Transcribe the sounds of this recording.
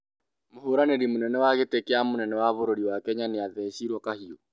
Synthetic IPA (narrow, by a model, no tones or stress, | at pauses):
mohoɾaneɾimonɛnɛwaɣetekeamonɛnɛwaβoɾoɾiwakɛɲaneaðɛɕiɾwɔkahiɔ